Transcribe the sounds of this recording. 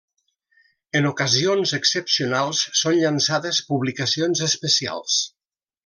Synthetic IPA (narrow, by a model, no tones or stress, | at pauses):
ənukəzionzəksəpsiunalˠsːonʎansaðəspuβlikəsionzəspəsia̰lˠs